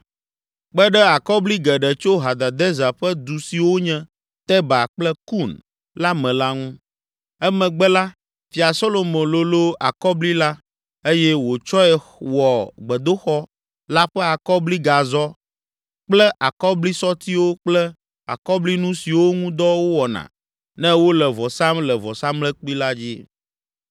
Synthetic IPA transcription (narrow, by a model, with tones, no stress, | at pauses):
k͡pɛ˦ɖɛ˦a˨kɔ˦bli˦ɡɛ˨ɖɛ˨t͡ʃo˦ɦa˨d̪a˨d̪ɛ˦za˨ɸɛ˦d̪u˨si˨wo˦ɲɛ̃˦ | t̪ɛ˦ba˨k͡plɛ˦ku˦˨n | la˦mɛ̃˨la˦ŋũ˦ | ɛ˦mɛ̃˨ɡ͡bɛ˦la˦ | fi˨a˨so˦lo˨mõ˨lo˨lo˦a˨kɔ˦bli˦la˦ | e˦jɛ˦wo˨t͡ʃɔ˦ɛ˨wɔ˨ɡ͡bɛ˨d̪o˦xɔ˦ | la˦ɸɛ˦a˨kɔ˦bli˦ɡa˨zɔ˦ | k͡plɛ˦ʔa˨kɔ˦bli˦sɔ˦t̪i˦wo˦k͡plɛ˦ | a̰˨kɔ˦bli˦nũ˦si˨wo˦ŋũ˦d̪ɔ˦wo˦wɔ˨nã̰˨ | nɛ̃˦wo˦lɛ˨vɔ˨sa˦mlɛ˨vɔ˨sã˦mlɛ˦k͡pi˦la˦d͡ʑi˦